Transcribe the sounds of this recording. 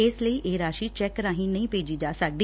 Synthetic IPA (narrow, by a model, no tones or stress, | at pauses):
ɪsləiːʔeːɾaːʃiːt͡ʃɛːkɾãːɦĩːnəĩːpeːd͡ʒiːd͡ʒaːsək̚d̪i